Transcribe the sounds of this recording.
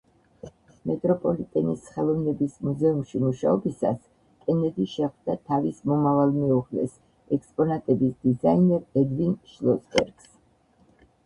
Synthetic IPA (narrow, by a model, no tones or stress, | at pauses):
mɛt̪ʼɾɔpʼɔlit̪ʼɛnisχɛlˠɔvnɛbismuzɛumʃimuʃaɔbisa̰s | kʼɛnɛd̪iʃɛχd̪at̪ʰavismɔmavalˠmɛuʁlɛ̰s | ɛkspʼɔnat̪ʼɛbisd̪̥izainɛɾɛd̪vinʃlˠɔsbɛ̰ɾɡ̥s